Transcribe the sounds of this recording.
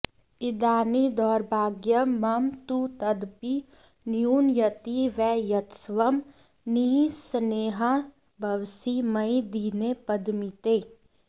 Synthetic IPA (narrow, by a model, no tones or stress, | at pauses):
ɪd̪aːnid̪ɔːɾbʱaːɡjəmɐmt̪ut̪ɐd̪pi | njuːnjət̪iʋɛːjɐt̪sʋəm | nisəneːɦa | bʱɐʋsimɐid̪iːnepəd̪mit̪eː